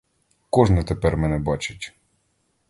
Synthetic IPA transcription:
kɔʒnɛt̪epɛrmɛnɛbɑt͡ʃɪ̥tʲ

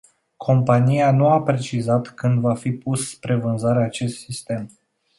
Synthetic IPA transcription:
kʰo̞mpanijanuapɾe̞t͡ʃizat̪kɨnd̪vafipusspɾe̞vɨnzaɾeat͡ʃe̞st̪sist̪e̞m

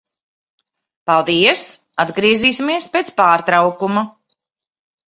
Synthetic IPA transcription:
palˠd̪iɛs | ad̪ɡɾiɛziːsimiɛspeːt̪spaːɾt̪ɾawkuma

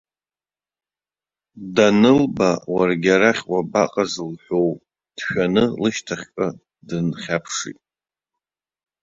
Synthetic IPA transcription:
danɨlbawarɡʲaɾaχʲwabaqʼazɨlħʷow | d̥ʃᶣanɨlɨʃtʰaχʲkʼa | dɨnχʲapʰʂḭtʼ

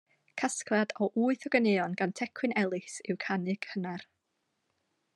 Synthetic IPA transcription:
kʰasklˠadɔʔuːɨθɔɡənɪɔnɡ̥antʰɛkʰwɨnɛlˠɨsɪwkʰanɨɡ̥hənar

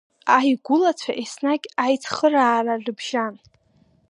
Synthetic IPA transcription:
ajɡʷʊlat͡sʷʰaʔesnaɡʲajt͡sʰχəraːrarɨbʒan

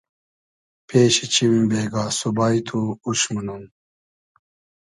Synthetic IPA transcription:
pʰeːɕit͡ɕʰimbeːɡaːsubaːit̪ʰuuɕmunum

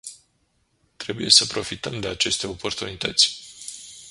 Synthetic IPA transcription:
t̪ɾe̞buje̞səpɾo̞fit̪əmd̪e̞at͡ʃe̞st̪e̞o̞po̞rt̪unit̪ət̪sʲ

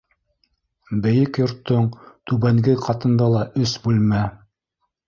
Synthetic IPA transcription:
bɘ̆jɘkjŏɾt̪ːoɴt̪ʉβæŋɡɘqʰɑt̪ɤ̆nd̪ɑlˠɑʔɵsbʉlmæ

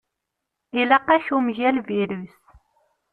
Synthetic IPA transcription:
ilæqːæçumʝælviɾus

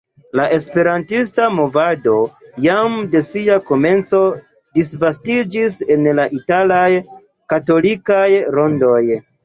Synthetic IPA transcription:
laʔe̞spe̞ɾantistamo̞vado̞jamde̞siako̞me̞nt͡so̞ | disvastid͡ʒise̞nlaʔitalaj | kato̞likajɾo̞ndo̞j

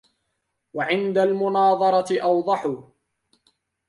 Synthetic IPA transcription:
waʕɪnd̪almʊnɑːðˤɑɾˤɑt̪ɪʔɑwd̪ˤɑħʊ

